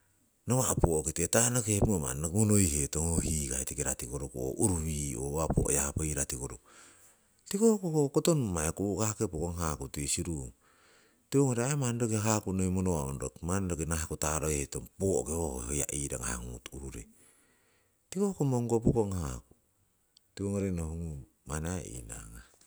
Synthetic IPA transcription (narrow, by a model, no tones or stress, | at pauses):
nowapookitetanokehmoma̰nokmonojhetoŋohikaetekeɾatikoɾokuo̰ʔuɾuβio̰apo̰ʔo̰japaiɾatikoɾok | tikokokokotonmaekuʔkakepokoŋɦakutesiɾuŋ | tiβoŋoɾeamandokeɦakunomonoaondokmandokenaekotaɾoehetoŋpokeoho̰hoja̰ʔiɾa̰ŋa̰haŋṵtuɾuɾḛ | tikokomoŋɡopokoŋhaku̥ | tiβoŋoɾenohuŋu | manaḭna̰ŋa